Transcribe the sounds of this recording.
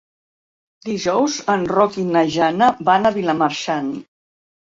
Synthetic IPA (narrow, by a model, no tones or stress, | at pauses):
d̪iʒɔwzənrɔkinəʒanəbanəβilamaɾʃan